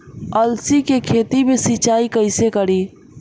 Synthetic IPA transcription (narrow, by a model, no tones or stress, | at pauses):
əlsikekʰet̪imesit͡ʃaikəɪsekəɽi